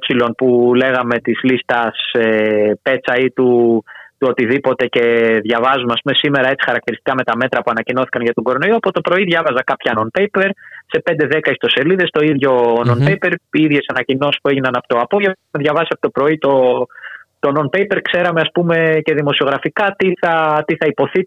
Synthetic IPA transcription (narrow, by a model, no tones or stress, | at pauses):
psilo̞npule̞ɣɐme̞t̪izlist̪ɐsepe̞t͡sɐit̪ut̪uot̪iðipo̞t̪e̞ce̞ðʝɐvɐzumeɐspume̞sime̞ɾɐe̞t͡si̥xɐɾɐkt̪iɾist̪ikɐme̞t̪ɐme̞t̪ɾɐpuɐnɐcino̞θi̥kɐnʝɐt̪oɡo̞ɾo̞no̞ioɐpo̞t̪o̞pɾo̞iðʝɐvɐzɐkɐpçɐno̞npe̞jpe̞ɾse̞pe̞nd̪eðe̞kɐist̪o̞se̞liðe̞st̪o̞iðʝo̞nonpe̞jpe̞ɾiðʝe̞sɐnɐcino̞si̥spue̞ʝinɐnɐpot̪o̞ɐpo̞ʝevmeðʝɐvɐsiɐpot̪o̞pɾo̞it̪o̞ | t̪o̞no̞npe̞jpe̞ɾkse̞ɾɐmeɐspume̞ce̞ðimo̞sio̞ɣɾɐfikɐt̪iθɐt̪iθɐipo̞θi